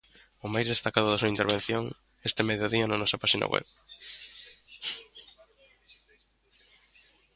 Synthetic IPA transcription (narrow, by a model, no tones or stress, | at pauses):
ʊmajzðest̪akaðʊðasuaint̪eɾβenθjoŋ | est̪ɪmeðjoðiɐnanɔsɐpaʃina̰wḛβ